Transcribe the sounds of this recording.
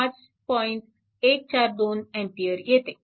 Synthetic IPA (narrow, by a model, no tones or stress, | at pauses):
ãt͡ɕ | pɔiɳʈ | ek̚t͡ɕaɾd̪onɛ̃ɳʈijəɾjet̪e